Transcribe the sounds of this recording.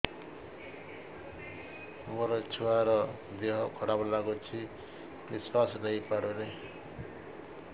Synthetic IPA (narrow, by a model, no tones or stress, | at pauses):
moɾʌt͡sʰuaɾʌ | d̪eɦʌkʰʌɽabʌlaɡot͡sʰi | biswaslʌjpaɾuɾe